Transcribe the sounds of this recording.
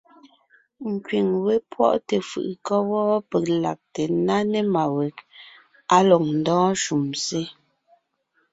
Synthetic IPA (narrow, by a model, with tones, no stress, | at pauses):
ŋ̩˨kɥi˨ŋwe˦pwɔ̰˦ʔte˨fɯ̰˨ʔkɔ˦wɔː˦pe˨k̚la̰˨k̚te˨na˦ne˦˨ma˨we˨k | a˦lɔ˨ŋ̚n̩˨dɔ̃ː˦ʃu˨mse˦